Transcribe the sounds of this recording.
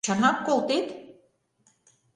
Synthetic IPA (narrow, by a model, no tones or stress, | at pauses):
ɑnɑkkolˠt̪et̪